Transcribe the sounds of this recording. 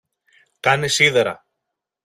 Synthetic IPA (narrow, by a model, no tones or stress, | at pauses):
kɐnesiðeɾɐ̰